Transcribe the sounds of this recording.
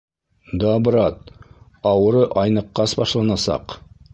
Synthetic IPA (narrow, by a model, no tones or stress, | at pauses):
d̪ɑbɾɑt̪̚ | ɑwɤ̆ɾɤʔɑjnɤ̆qːɑsbɑʃlˠɑnɑsɑ̰q